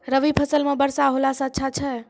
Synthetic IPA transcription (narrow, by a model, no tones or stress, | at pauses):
ɾəʋipʰəsəlmẽbəɾsaɦolasə̃ətːʃʰat͡ʃʰɛ